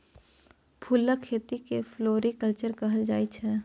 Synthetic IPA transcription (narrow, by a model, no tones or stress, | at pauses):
pʰulːəkʰːeːt̪ikefloːɾikəlt͡ʃəɾkɐɦəld͡ʒaːit͡ʃʰɛ